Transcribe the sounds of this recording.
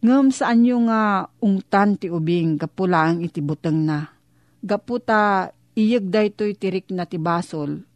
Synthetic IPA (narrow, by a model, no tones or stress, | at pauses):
ŋəmsaʔaɲjoŋaʊŋt̪ant̪ɪʊbɪŋɡapulaʔaŋɪt̪ɪbut̪əŋna | ɡaput̪a | ɪjək̚d̪ajt̪ojt̪ɪɾɪk̚nat̪ɪbaːsol